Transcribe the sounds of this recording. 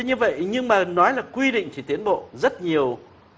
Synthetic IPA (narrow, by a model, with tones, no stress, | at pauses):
ɲɨ˧və̰˧˨jɲɨ˧ŋmaː˨˩nɔ˨˦jlaː˨˩kwi˧ɗḭ˧˨ŋ̟t͡ɕi˧˩t̪i˨˦ənɓo̰˧˨zə˦˥t̚ɲi˨˩əw